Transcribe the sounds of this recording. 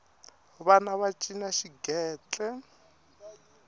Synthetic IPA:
βanaβat͡ʃʼinaʃiɡɛːt͡ɬʼɛ

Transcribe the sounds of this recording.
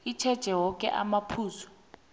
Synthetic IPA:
it͡ʃʰɛd̥ʒ̥ʱɛwɔkʼɛ̰ʔa̰mapʰuːsɔ̥

